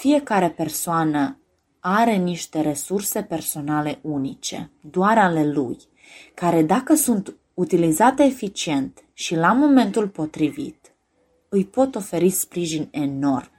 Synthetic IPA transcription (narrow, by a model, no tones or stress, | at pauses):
fije̞kaɾe̞pe̞rsoanə | aɾe̞niʃt̪e̞ɾe̞surse̞pe̞rso̞nale̞ʔunit͡ʃe̞̰d̪oaɾale̞lṵj | kaɾe̞d̪akəsunt̪ | ut̪ilizat̪eefit͡ʃie̞nt̪ | ʃilamo̞me̞nt̪ulpo̞t̪ɾivḭt̪ | ɨjpo̞t̪o̞fe̞ɾispɾiʒinʲe̞no̞rm